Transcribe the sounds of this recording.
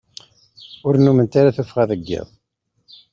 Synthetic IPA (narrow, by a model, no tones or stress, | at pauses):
ʊɾnumənt̪aɾaθufʁæðəɡːɪ̰ðˤ